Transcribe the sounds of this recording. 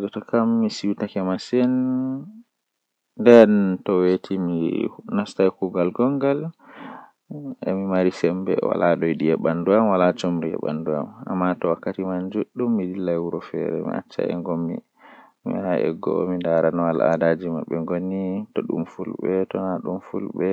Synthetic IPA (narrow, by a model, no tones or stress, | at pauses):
d͡ʒɔtɔkamːisiwtakɛmasɛn | dɛntɔwetʰiminastajkuɡalɡɔŋɡal | ɛ̰mimaɾisɛmbɛ̰wa̰laɗɔjɗiɛɓanduamwalat͡ʃomɾiɛ̰ɓa̰ndua̰ma̰mːatɔwakːatimand͡ʒuɗːumːidilːajwuɾɔfɛ̰ɾɛ̰mḭʔa̰t͡ʃːa̰ɛ̰ŋɡɔmːḭ | mḭaɛ̰ɡɔ̰mindaɾanɔala̰dad͡ʒimaɓːɛŋɡonitɔɗṵmfulɓɛtɔnaɗumfulɓɛ